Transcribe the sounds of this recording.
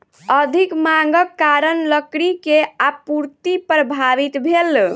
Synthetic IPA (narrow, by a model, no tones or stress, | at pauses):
əd̪ʱikmaŋɡəkːaɾənləkɽikeapuɾt̪ipɾəbʱaʋit̪bʱel